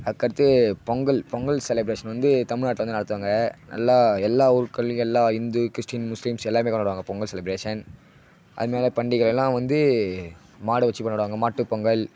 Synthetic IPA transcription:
ɐðɯkːɐɾɐt̪ːɯpɔŋɡɐɭpɔŋɡɐɭsɛlɛbɾeːʂɐnʋɐnd̪ɯt̪ɐmɪɻnaːʈ̬ːlʋɐnd̪ɯnɐɽɐt̪ːɯʋaːŋɡɐnɐ̰lːaːɛlːaːʊɾɯkːɐɭɛlːaːɪnd̪ukɪɾɪsʈinmʊslimsɛlːaːɾmeːkɐːɐɽɯʋaːŋɡɐpɔŋɡɐɭsɛlɪbɾeːʂɐn | ʔɐ̰ðɯmeːlɐpɐɳɖɪɣɐɭɛlːãːʋɐnd̪ɯ | maːɽɯʋɐt͡ʃːipɐɳːɐɽɯʋaːŋɡɐmaːʈːɯpɔŋɡɐɭ

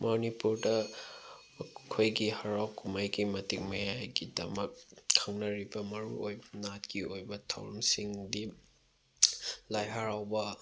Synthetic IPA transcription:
monipuɾdɐ | mɐkʰojɡihɐɾawkumajɡimɐtik̚mɐjajɡidɐ̰mɐk̚kʰːɐŋnɐɾibɐmɐɾṵojbɐnatkiojbɐtʰa̰wɾɐmsiŋdi | lajɦɐɾawbɐ

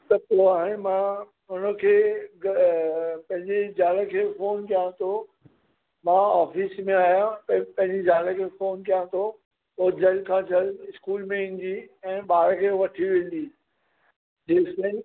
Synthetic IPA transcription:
t̪ɐt̪oaːɦɪnmã | ʊnə̆kʰeːɡ | pɐ̃ɦɪ̃ɲd͡ʑed͡ʑaːləkʰeːfoːnkijãt̪ʰo | mãaːfiːsmẽaːɦijãpɐ̃ɦɪ̃ɲd͡ʑed͡ʑaːləkʰeːfoːnkijãt̪ʰo | od͡ʑʱɐlkʰãːd͡ʑʰɐlɪskuːlmẽɪ̃n̆d̪iɛ̃ːɓaːɾkʰeːʋɐʈʰiʋɪn̆d̪iː | d͡ʑeːsẽ

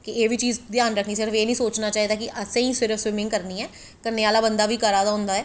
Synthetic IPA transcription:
kɪeːʋʱiːt͡ʃiːzd̪jaːnɾəkʰniːsɪɾəfeːnĩːsoːt͡ʃnaːt͡ʃaːɦiːd̪aːkɪʔəsẽːĩːsɪɾəfswɪmɪ̃ŋɡkəɾniːɛː | kəɾneːaːlaːbənd̪aːʋiːkəɾaːd̪aːɦʊ̃nd̪aːɛː

